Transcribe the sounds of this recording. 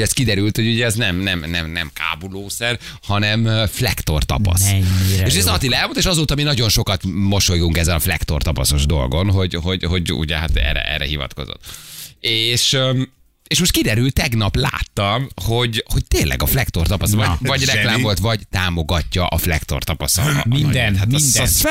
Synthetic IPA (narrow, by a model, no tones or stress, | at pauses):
ɛst̪kid̪ɛɾylt̪ho̞ɟuɟɛɛznɛmnɛmnɛmnɛmka̰ːbuloːsɛr | hɒnɛmflɛkt̪o̞̰rt̪ɒ̰pɒ̰sieːʃuɛsɒt̪ilɛlmont̪eːʃɒzoːt̪ɒminɒɟo̞nʃo̞kɒt̪mo̞ʃo̞juŋkɛzːɛnɒflɛ̰kt̪o̞̰rt̪ɒpɒso̞ʒd̪o̞̰lɡo̞nɦo̞ɟɦo̞ɟɦo̞ɟṵɟɛɦat̪ɛ̰ːɾɛ̰ʔɛ̰rːɛ̰ɦivɒ̰t̪ko̞̰zo̰t̪eːʃ | eːʃmot̪kid̪ɛɾylt̪ɛɡnɒpla̰ːt̪ːɒmho̞ɟho̞c̚t̪eːnlʔɛ̰ɡɒflɛkt̪o̞rt̪ɒpɒsʋɒvɒɟrrɛklaːmvo̞lt̪ʋvɒɟt̪aːmo̞ɡɒcːɒʔɒflɛ̰kt̪o̞̰rt̪ɒpɒsɒ̰mind̪at̪